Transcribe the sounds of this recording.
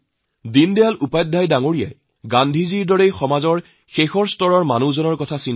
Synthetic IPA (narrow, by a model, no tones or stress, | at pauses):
dindɛjalupajdʱːajdaŋoɹija̰j | ɡandʱiziɹdɔɹejxɔmazɔɹ | xexɔɹstɔɹɔɹmanuzɔnɔɹkɔtʰasin